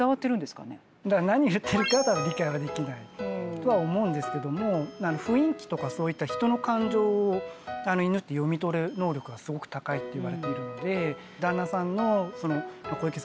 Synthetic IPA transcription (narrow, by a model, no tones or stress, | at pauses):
aβat̪ːeɾɯ̟nd̪esɨ̥ka̰ne | d̪anaɲ̟ijɯ̟t̪ʰːe̞ɾɯ̟kat̪ad̪aɾʲikaiɡad̪e̞kʲinait̪o̞βao̞mo̞ɯ̟̃nd̪e̞sɨ̥ke̞d̪o̞mo̞nanoɸɯ̟ĩŋkʲi̥t̪o̞kaso̞ːit̪ːaçi̥t̪o̞no̞kãɲ̟d͡ʑo̞ːoano̞inɯ̟t̪ːe̞jo̞mʲit̪o̞ɾɯno̞ːɾʲo̞kɯ̟ɡasɨɡo̞kɯ̟̥t̪akait̪ːo̞iβ̞aɾe̞t̪e̞iɾɯ̟no̞d̪e̞ | d̪ãnːasãnːo̞so̞no̞mako̞ikes